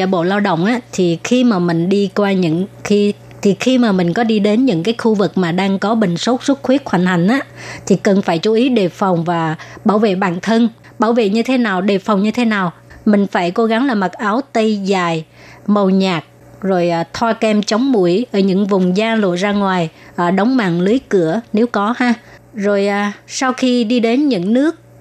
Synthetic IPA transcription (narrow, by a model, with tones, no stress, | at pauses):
aː˧˨˩ɓo̰˧˨laː˧wɗə̰˧˨wŋ͡mʔaː˨˦t̪ʰi˨˩xi˧maː˨˩mï˨˩ŋ̟ɗi˧kwaː˧ɲɨ̰˧˥ŋxi˧ | t̪ʰi˨˩xi˧maː˨˩mï˨˩ŋ̟kɔ˨˦ɗi˧ɗe˨˦nɲɨ̰˧˥ŋkaː˨˦jxu˧vɨ˨˩k̚maː˨˩ɗaː˧ŋkɔ˨˦ɓï˨˩ŋ̟so˦˥t̚su˦˥t̚xwi˦˥ət̚hwa˧˩jŋ̟ha˨˩jŋ̟ʔaː˨˦t̪ʰi˨˩kə˨˩nfaː˧˩jt͡ɕu˨˦ʔi˨˦ɗe˨˩fa˨˩wŋ͡mvaː˨˩ɓaː˧˩wvḛ˧˨ɓaː˨˩nt̪ʰə˧n | ɓaː˧˩wvḛ˧˨ɲɨ˧t̪ʰe˨˦naː˨˩wɗe˨˩fwŋ͡mɲɨ˧t̪ʰe˨˦naː˨˩w | mï˨˩ŋ̟faː˧˩jko˨˦ɣa˨˦ŋlaː˨˩ma˨˩t̚ʔaː˨˦wt̪ə˧jzaː˨˩j | mə˨˩wɲaː˨˩k̚ | zo˨˩jʔt̪ʰwaː˧kɛ˧mt͡ɕə˨˦wŋ͡mmu˧˩əjʔəː˧˩ɲɨ̰˧˥ŋvʊ˨˩ŋ͡mzaː˧lo̰˧˨zaː˧ŋwaː˨˩jʔəː˨˩ɗə˨˦wŋ͡mma̰ː˧˨ŋlɨ˨˦jkɨ˧˩əne˨˦wkɔ˨˦haː˧zo˨˩jʔaː˨˩sa˧wxi˧ɗi˧ɗe˨˦nɲɨ̰˧˥ŋnɨ˦˥ək̚